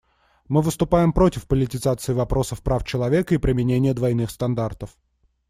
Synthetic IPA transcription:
mɨvɨst̪ʊpajɪmpɾo̞tʲɪfpəlʲɪtʲɪzat̪sɨɪvɐpɾʔo̞səfpɾʔaft͡ɕɪlˠɐvʲe̞kəipɾʲɪmʲɪnʲenʲɪjəd̪vɐjnɨxst̪ɐnd̪art̪əf

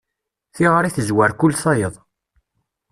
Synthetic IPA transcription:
θiʁəɾiθəzwæɾkʊlːθɑjəðˤ

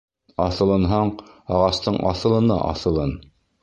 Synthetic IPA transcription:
ɑθɤ̆lˠɤ̆nɦɑɴɑʁɑst̪ɤɴʔɑ̰θɤ̆lˠɤ̆nɑ̰ʔɑ̰θɤ̆lˠɤn

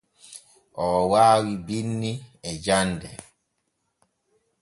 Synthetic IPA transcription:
ʔɔːwaːwibinːiɛd͡ʒandɛ

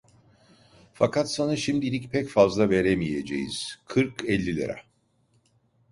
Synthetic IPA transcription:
fakʰat̪sanaʃimd̪ilʲicpʰɛcfazlˠaveɾemijed͡ʒḛjḭz̥kʰɯɾkɛlʲːilʲḛɾɛ̰

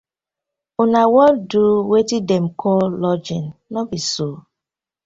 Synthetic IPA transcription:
unawɔlduwetidɛmkʰɔllɔd͡ʒĩnːɔbiso

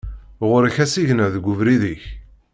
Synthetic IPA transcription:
ʁʊɾəçæsiʝnəðɡʷːuvɾiðiç

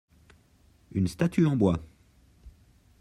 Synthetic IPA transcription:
ynst̪at̪ʰyɑ̃bwa

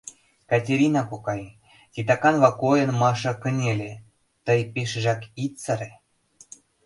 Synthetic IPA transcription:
kɑtʲeɾʲinɑkokɑj | t̪ʲit̪̬ɑkɑnβɑkojə̆nmɑʃɤ̆kə̆nʲelʲe | t̪əjpeʃə̆ʒækit̪t͡səɾʲe

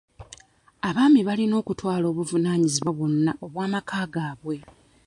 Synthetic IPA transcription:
aβaːmiβalino̞ːkutwaːlo̞ːβuvunaːɲiziβwaβwonːaʔo̞βwaːmakʰaːɡaːβwe̞

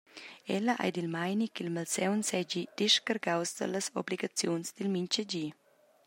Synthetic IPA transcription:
ɛləʔa̰jd̪ilmajnikilmalsɛwnsɛd͡ʒid̪̥iʃkaɾɡawsd̪ə̰ləso̰bliɡat͡sjonsd̪ilmint͡ʃəd͡ʒi

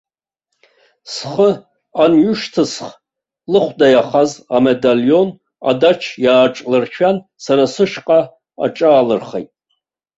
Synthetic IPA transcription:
sχə | anɥʊʃtʰɨsχ | lɨχʷdajaχazamedaljo̞n | a̰dat͡ʃʰjaːʈ͡ʂʼlɨrt͡ʃʰᶣan | saɾasɨʃqʼa | a̰ʈ͡ʂʼaːlɨrχejtʼ

